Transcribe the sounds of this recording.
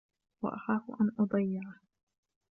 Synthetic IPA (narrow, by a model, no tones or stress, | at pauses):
wɑ̰ʔɑħɑːfʔanʔʊd̪ˤɑjːɪʕa